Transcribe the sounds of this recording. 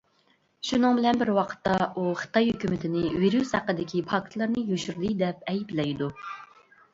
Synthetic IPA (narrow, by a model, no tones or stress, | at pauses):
ʃunɨŋbɪlɛnbɪɾwɑqʰə̥t̪ːɑuχə̥t̪ɑjhøkʲymɪt̪ʰɪnɪviɾyshæqːəd̪ɪkʲipʰɑkʰt̪ʰlˠɑɾnɨjyʃyɾd̪ɨd̪ɛp̚ɛjplɛjd̪u